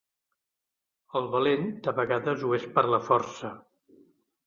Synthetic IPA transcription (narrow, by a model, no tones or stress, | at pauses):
əlˠβəlend̪əβəɣaðəzuespəɾləfɔɾsə